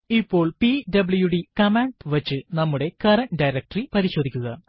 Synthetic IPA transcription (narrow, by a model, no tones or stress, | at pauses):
ipːo̞ːɭpiɖɐbɨɭujuɽikɐmeɳɖʋɐt͡ɕːɨnɐmːuɽe̞kɐɾɐnɖɐjɾɐk̚ʈripɐɾiɕo̞ːd̪ʱikʲːuɣɐ